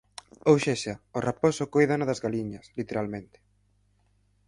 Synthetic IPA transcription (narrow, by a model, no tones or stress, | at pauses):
owʃeʃaoraposʊkojðanaðazɣaliɲɐslit̪eɾalmẽnt̪ɪ̥